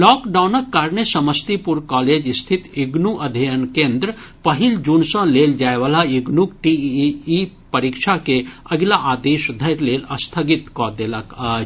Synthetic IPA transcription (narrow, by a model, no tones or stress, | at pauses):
lɔːkɖawnəkːaːɾnesɐməst̪ipuɾkɔːleːd͡ʒist̪ʰit̪iɡnuʔɐd̪ʱijənkẽːnd̪ɾəpəɦild͡ʒuːnsə̃leːld͡ʒaːeʋalaiɡnuk̚ʈii | pəɾikʃʰakeɐɡlaʔaːd̪eːʃd̪ʱɐɾleːlɐst̪ʰəɡit̪kɔd̪elaka